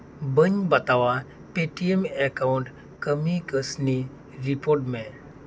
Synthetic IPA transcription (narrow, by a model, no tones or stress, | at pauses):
bəɲbɐt̪aʋa | peʈiemekaʊɳʈ | kəmikəsni | ɾipoːɾʈmẽ